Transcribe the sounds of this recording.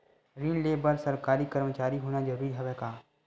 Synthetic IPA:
ɾiːnleːbəɾsɐɾkaːɾikɐɾmət͡ʃaːɾiɦoːnad͡ʒɐɾuːɾiɦɛʋɛkaː

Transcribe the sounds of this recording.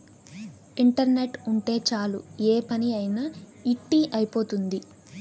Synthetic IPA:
iɳʈɐɾne̞ʈuɳʈe̞ːt͡ʃaːlueːpɐniɐjnɐ | iʈːiʔɐjpo̞ːt̪und̪i

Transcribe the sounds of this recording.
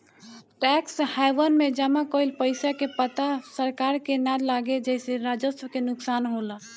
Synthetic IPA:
ʈɛːkshajʋənmẽd͡ʒəmakoilpəɪsakepət̪asəɾkaːɾkenaɾlaːɡed͡ʒɛɪseɾaːd͡ʒəswkenʊksaːnɦola

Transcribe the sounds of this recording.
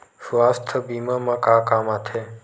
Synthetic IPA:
sʋaːst̪ʰəbiːmãmãkãːkaːmat̪ʰe

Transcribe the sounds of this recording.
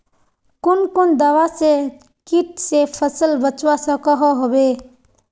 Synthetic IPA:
kʊnkʊnd̪əʋase | kiʈsepʰəsəlbət͡ʃwasəkɔɦɔɦobe

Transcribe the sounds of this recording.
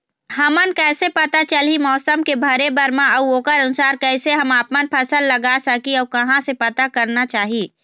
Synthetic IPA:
ɦɐmənkɛːsepɐt̪at͡ʃəlɦimɔːsəmkebʱɐɾebəɾmãɐuoːkəɾɐnʊsaːɾkɛːseɦɐmaːpmənpʰɐsəlːɐɡasəkiɔːkɐɦãsepɐt̪akɐɾnat͡ʃaːɦiiː

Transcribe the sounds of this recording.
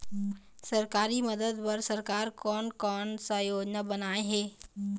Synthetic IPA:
səɾkaːɾiməd̪əd̪pəɾsəɾkaːɾkɔːnkɔːnsãjoːd͡ʒnabənaːeɦeː

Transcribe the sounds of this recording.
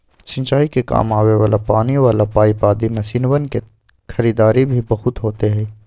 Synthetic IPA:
t͡ʃɪ̃ɲt͡ʃaːikeka̰ːmaːweʋaːlapaːniʋaːlapaːipaːd̪imesiːnʋənke | xɐɾiːd̪aːɾibʱibɐɦʊt̪ɦoːt̪eɦɛ̃ː

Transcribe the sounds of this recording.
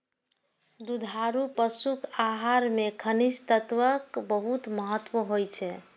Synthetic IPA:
d̪ud̪ʱaɾupəsukʰaɦaɾmekʰənist̪ət̪ʋəkbəɦut̪məɦət̪ːwoɦojt͡ʃʰɛ

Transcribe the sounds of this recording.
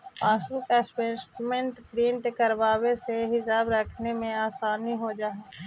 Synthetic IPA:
paːsbʊkɛːspesʈmẽɳʈɡɾiːɳʈkəɾʋaːweseɦɪsaːbɾɐkʰnemẽaːsaːniɦod͡ʒaːe

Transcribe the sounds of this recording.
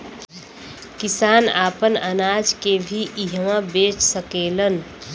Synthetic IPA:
kisaːnaːpənənaːd͡ʒkebʱiʔiɦəmãbeːt͡ʃsəkeːlən

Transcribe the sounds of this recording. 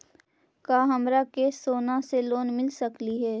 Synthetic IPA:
kaːɦɐmɾakeːsoːnãseloːnmɪlsɐkliɦɛː

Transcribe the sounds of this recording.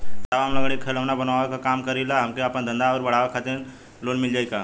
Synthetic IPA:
t̪aʋamlɐɡəɽ̃ikʰələʋnabɐnaːʋakakaːmkəɾilaɦɐmkeaːpnãd̪ə̃nd̪aʋəɾbɐɽ̤aːʋakʰaːt̪in | loːnmɪld͡ʒaːikaː

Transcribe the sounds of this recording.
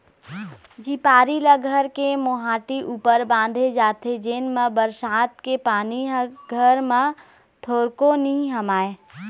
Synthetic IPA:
d͡ʒiːpaːɾiləɡʱəɾkemoɦaːʈiʔuːpəɾbãːnd̪ʱed͡ʒaːt̪ʰed͡ʒeːnmãbəɾsaːt̪kepaːniɦɡʱəɾmã | t̪ʰoːɾkonĩɦɐmaːe

